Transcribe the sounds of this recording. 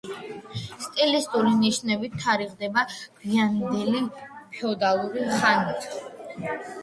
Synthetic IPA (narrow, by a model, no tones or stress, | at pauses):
st̪ʼilist̪ʼuliniʃnɛbit̪ʰːaɾiʁd̪ɛbamiand̪ɛlipʰɛɔd̪alˠuɾiχanit̪ʼ